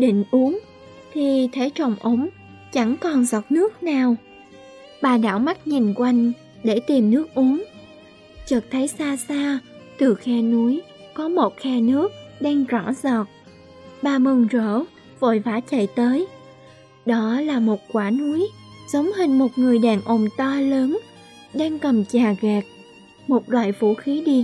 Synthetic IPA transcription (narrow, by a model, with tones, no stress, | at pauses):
ɗḭ˧˨ŋ̟ʔu˨˦əŋ | t̪ʰi˨˩t̪ʰe˨˦t͡ɕə˨˩wŋ͡mʔə˨˦ŋ͡m | t͡ɕa˧˩ŋkɔ˨˩nzɔ˨˩t̚nɨ˦˥ək̚naː˨˩w | ɓaː˨˩ɗa̰ː˧˥wma˦˥t̚ɲi˨˩nkwa˧jŋ̟ | ɗe˧˩t̪i˨˩mnɨ˦˥ək̚ʔu˨˦əŋ | t͡ɕəː˨˩t̚t̪ʰə˨˦jsaː˧saː˧t̪ɨ˨˩xɛ˧nu˨˦j | kɔ˨˦mo˨˩t̚xɛ˧nɨ˦˥ək̚ɗaː˧ŋzɔ˧˩zɔː˨˩t̚ | ɓaː˨˩mɨ˨˩ŋzəː˧˩ | vo̰˧˨jvaː˨˦˥t͡ɕə̰˧˨jt̪əː˨˦j | ɗɔ˨˦laː˨˩mo˨˩t̚kwaː˧˩nu˨˦əj | z̥ə˨˦wŋ͡mhï˨˩ŋ̟mo˨˩t̚ŋɨ˨˩əjɗaː˨˩ŋʔo˨˩mt̪aː˧ləː˨˦n | ɗaː˧ŋkə˨˩mt͡ɕaː˨˩ɣɛː˨˩k̚ | mo˨˩t̚lwa̰ː˧˨jvṵ˧˩xi˨˦ɗi˧